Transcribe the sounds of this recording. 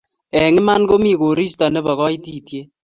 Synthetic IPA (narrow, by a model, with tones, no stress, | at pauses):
ɛ˨ŋɪ˦ma˦nko˦mi˦˨ko˨ɾi˦stɔ˨nɛ˦bɔ˨kɔ˦i˦ti˦˨tje˦